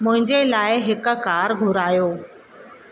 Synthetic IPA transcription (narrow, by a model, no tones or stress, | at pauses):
mʊ̃ɦɪ̃ɲd͡ʑelaːɪɦɪkkaːɾɡʱʊɾaːjoː